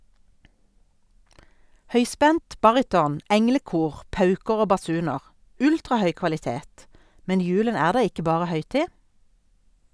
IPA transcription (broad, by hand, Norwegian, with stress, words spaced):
ˈhœʏˌspɛnt ˈbɑʁɪtɔn ˈɛŋləˌkuːʁ ˈpɑʉkəʁ ˈoː bɑˈsʉːnəʁ ˈʉltʁɑˌhœʏ kʋɑlɪˈteːt ˈmɛn ˈjʉːlən ˈæːʁ ˈdɑː ˈɪkə ˈbɑːʁə ˈhœʏˌtiː